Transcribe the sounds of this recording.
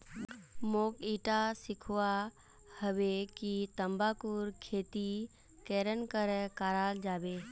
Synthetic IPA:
moːkiːʈasɪkʰwa | həʋekit̪əmbakuɾkʰeːt̪i | keːɾənkəɾkaːɾaːld͡ʒaːbeː

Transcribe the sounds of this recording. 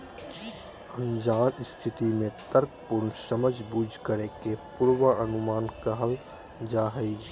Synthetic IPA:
ə̃nd͡ʒaːlst̪ʰɪt̪imẽt̪əɾk̚pʊɾnsəməd͡ʒʱbuːd͡ʒʱkəɾekepʊɾwəənʊmaːnkəɦəl | d͡ʒaːɦəi

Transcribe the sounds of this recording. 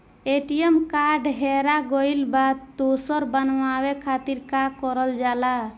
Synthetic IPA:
eʈijemkaɾɖɦeɾaɡɔjlbad̪d̪osɔɾbənwawekʰat̪iɾkakɔɾəld͡ʒala

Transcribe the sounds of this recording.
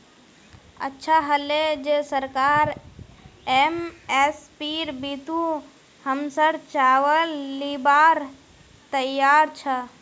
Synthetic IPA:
ə̰tːʃʰaɦəled͡ʒesəɾkaɾ | emespiɾbit̪u | həmsəɾt͡ʃaʋəlːibaɾ | t̪əjaɾt͡ʃʰə

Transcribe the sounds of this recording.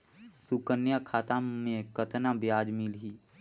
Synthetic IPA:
sukənjakʰaːt̪ãmẽkət̪nabjaːd͡ʒmɪlɦiː

